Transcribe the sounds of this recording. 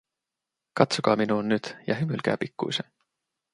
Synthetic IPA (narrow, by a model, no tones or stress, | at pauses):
kɑt̪sukɑːminunːyːd̪̥jɑ̰ɦymylɡ̥æ̰ːpikːˑṵjse